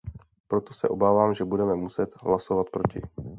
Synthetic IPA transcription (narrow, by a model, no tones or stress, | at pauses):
pɾo̞t̪osɛ̰ʔo̞baːvaːmʒɛbudɛmɛmusɛt̪ɦlaso̞vat̪̚pɾo̞cɪ̰